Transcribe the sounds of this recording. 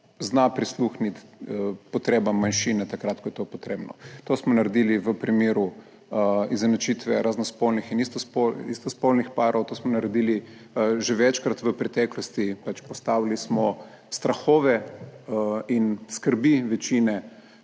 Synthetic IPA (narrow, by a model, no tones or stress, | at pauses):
znapɾisluxnit̪pɔt̪ɾeːbamːanʃiːnɛt̪akɾat̪̚kɔjɛt̪opɔt̪ɾeːbnɔ̰t̪osmɔnaɾɛd̪iliʋəpɾimeːɾu | izɛnɐt͡ʃit̪ʋɛɾaznɔspolnixinist̪ospoist̪ɔspolnixpaːɾɔwt̪osmɔnaɾɛd̪iliʒeʋɛt͡ʃkɾat̪ʋəpɾɛt̪ɛklɔst̪ipat͡ʃpɔst̪aʋilismɔ | st̪ɾaxoːʋɛ | inskəɾbiʋɛt͡ʃinɛ